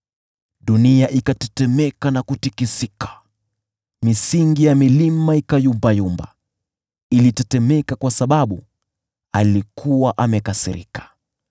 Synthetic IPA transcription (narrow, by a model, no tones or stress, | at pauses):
ɗuniaʔikatɛtɛmɛkanakutikisikḁ | misiŋɡijamilimaikajumbajumba̰ | ilitɛtɛmɛkakwasaɓaɓu | alikʰuwaʔamɛkasḭɾḭkḁ